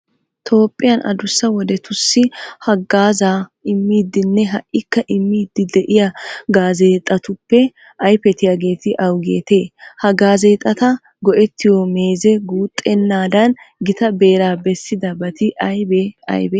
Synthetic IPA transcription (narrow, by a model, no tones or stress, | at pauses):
t̪ʰo̞ːpʼːɪjɐnʔɐ̰d̪ʊsːɐwɔd̪ɛt̪ʊsːɪhɐɡaːzaːɪmːiːd̪ːɪnːɛɦɐʔʔɪkːɐʔɪmːiːd̪ːɪd̪ɛʔɪjaɡaːzeːt̪ʼɐt̪ʊpːɛ | ʔɐjpɛt̪ɪjaːɡe̞ːt̪ɪʔɐwɡḛːt̪e̞ːhɐɡaːze̞ːt̪ʼːɐt̪ɐ | ɡɔʔɛt̪ːɪjɔme̞ːzɛɡuːt̪ʼːɛnːaːd̪ɐn | ɡɪt̪ɐbeːɾaːbɛsːɪd̪ɐbɐt̪ɪʔɐjbeɐ̰jbɛː